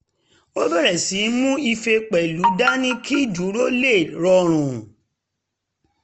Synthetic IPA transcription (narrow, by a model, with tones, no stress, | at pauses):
o˦bɛ˦˨ɾɛ˨si˨˦mũ˦i˧fe˧k͡pɛ˨lu˨˦da˦nĩ˦kʰi˦˨du˨˦ɾo˦le˦˨ɾɔ˧ɾ̃ũ˨